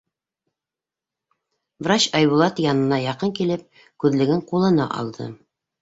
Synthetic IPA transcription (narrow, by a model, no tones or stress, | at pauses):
vrat͡ɕɑjβulˠɑt̪jɑnɤ̆nɑjɑqɤŋkilɘp̚ | kʉðlɘ̆ɡɘɴqulˠɤ̆nɑ̰ʔɑ̰lˠd̪ɤ̰